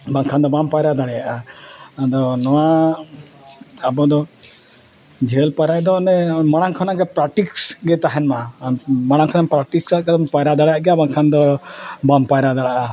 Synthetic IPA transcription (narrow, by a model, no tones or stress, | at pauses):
baŋkʰand̪ɔbampajɾad̪aɽɛjaʔad̪ɔnɔwa | abɔd̪ɔ | d͡ʒʱelpajɾajd̪ɔnɛmaɽ̃aŋkʰɔnaɡɛpɾaʈiksɡɛt̪aɦɛnmamaɽ̃aŋkʰɔnampɾaʈiksaɡaɔmpajɾad̪aɽɛjaʔɡɛjabaŋkʰand̪ɔbampajɾad̪aɽaʔa